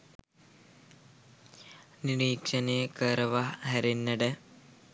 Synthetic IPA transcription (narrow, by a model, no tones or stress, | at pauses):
niɾiːkʂɐneːkɐɾɐʋɐɦɐɾinːɐɽe